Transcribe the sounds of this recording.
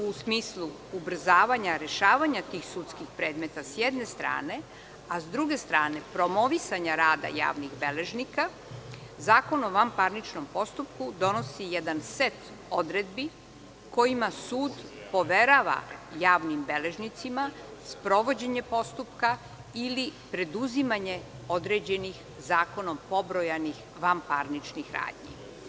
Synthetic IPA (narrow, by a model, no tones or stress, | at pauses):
usmiːslˠu | ubr̩zaːʋaɲaɾe̞ʃaːʋaɲat̪iːxsut̪skixpɾe̞ːd̪me̞t̪asjed̪ne̞st̪ɾa̰ːne̞ | azd̪ɾuɡe̞st̪ɾaːne̞pɾo̞mo̞ʋisaɲaɾaːd̪a̰ja̰ːʋniɣbe̞le̞ʒnika | zaːko̞noʋampaɾnit͡ʃnompo̞st̪upkud̪o̞no̞sijɛd̪anset̪ | od̪ɾe̞d̪bi | ko̞jimasuːd̪po̞ʋeɾaʋa̰jaːʋnimbe̞le̞ʒnit̪sima | spɾo̞ʋo̞d͡ʑeɲepo̞st̪upka | ilipɾe̞d̪uzimaɲe̞ | o̞d̪ɾed͡ʑe̞nix | zaːko̞no̞mpo̞bɾojanix | ʋampaɾnit͡ʃnixɾa̰ːd̪ɲḭ